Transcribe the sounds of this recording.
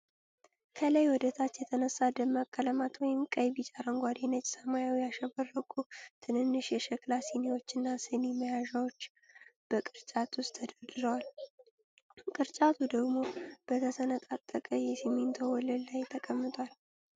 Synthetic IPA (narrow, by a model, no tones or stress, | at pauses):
kʰələjwɔd̪ət̪ʰat͡ʃːjɛt̪ʰənəsːad̪əmːakʼːələmat̪wɔjɪmkʼəjbit͡ʃʼaɾəŋɡʷad̪inət͡ʃʼsəmajawijaʃəβərːəkʼut̪ʰɨnɨnːɨʃjɛʃɛklasiniwo̞t͡ʃːɨnːasɨniməjaʒawot͡ʃː | b̥əkʼɨɾt͡ʃʼat̪wʊst̪ʰːəd̪əɾd̪ɨɾəwal | kʼɨɾt͡ʃʼat̪ʰud̪əɡmo̞b̥ət̪ʰəsənət̪ʼat̪ʼːəkʼəjɛsiment̪ʰowɔləllajt̪ʰəkʼəmːɨt̪ʼwal